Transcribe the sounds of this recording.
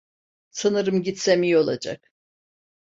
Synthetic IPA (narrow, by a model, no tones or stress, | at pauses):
sɯnɯɾɯmɟit̪semijo̞lˠa̰d͡ʒa̰k